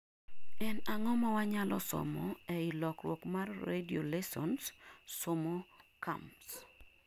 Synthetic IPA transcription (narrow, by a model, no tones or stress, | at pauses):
ɛnaŋɔmɔwaɲalɔ̰sɔ̰mɔɛɪlɔkɾwokmarːediolɛsɔnsːɔmɔka̰mps